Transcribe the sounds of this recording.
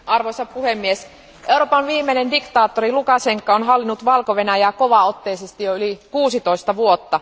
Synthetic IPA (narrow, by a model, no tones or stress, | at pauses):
ʔɑrʋojsɑpuhemːies | ʔe̞uroːpɑnʋiːmːenendikt̪ɑːt̪ːorilukɑseŋkːɑonɦɑlːinːut̪ʋɑlkoʋe̞næjæːko̞ʋɑot̪ːe̞ːsest̪ijoylikuːsit̪o̞ist̪ɑʋuot̪ːɑ